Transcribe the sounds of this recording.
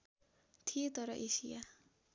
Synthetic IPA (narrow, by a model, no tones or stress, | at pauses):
t̪ʰijet̪ʌɾʌʔesija